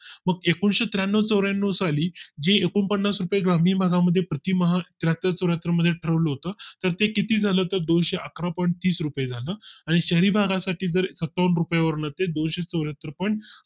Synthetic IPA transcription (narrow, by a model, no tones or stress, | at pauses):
məɡekunɕet̪ɾjanːət͡səwɾjanːəsaliːd͡ʑeekunpənːasɾupəjeɡɾam̤iːbʱaɡaməd̪ʱːjepɾət̪iːməɦat̪ɾat̪at͡səʋɾjat̪ɾəməd̪ʱːjeʈʰəɾəʋləɦot̪əːt̪əɾt̪ekit̪iːd͡zʱaləːt̪əɾd̪onɕeʔəkʰɾapɔɳʈ̚t̪iːsɾupəjed͡zʱaləːaɽ̃iɕəɾiːbʱaɡasaʈiːd͡zəɾsət̪ːaʋənɾupjaʋəɾɳət̪ed̪onɕet͡səʋɾjat̪ɾəpəɳ